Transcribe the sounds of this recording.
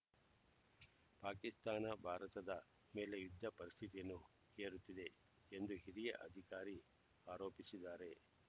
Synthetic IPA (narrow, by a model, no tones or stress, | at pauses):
paːkist̪aːnɐbʱaːɾɐt̪ɐd̪ɐ | meːle̞jud̪ʱːɐpɐɾist̪ʰit̪ijɐnːu | eːɾut̪ːid̪e̞ | end̪uɦiɾijɐ̰ʔɐd̪ʱikaːɾi | aːɾo̞ːpisid̪aːɾe̞